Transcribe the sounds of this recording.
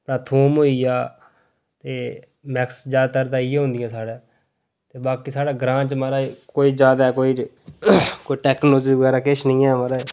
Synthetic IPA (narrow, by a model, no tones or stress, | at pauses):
pɾaːt̪ʰoːmɦoːiːjaː | t̪eː | mɛksd͡ʒaːd̪t̪əɾd̪aːijaːɦʊ̃nd̪ɪjãːsaːɽaː | t̪eːbaːkiːsaːɽaːɡɾãːt͡ʃmaɾaːkoːiːd͡ʒaːd̪aːɛkoːiː | koːiːʈɛːknoːloːd͡ʒiːʋəɡɛːɾaːkɪʃnĩːɛːmaːɾaː